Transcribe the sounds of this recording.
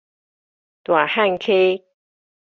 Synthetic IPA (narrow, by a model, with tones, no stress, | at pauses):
t̪wa˨˩ha˥˨nkʰe˦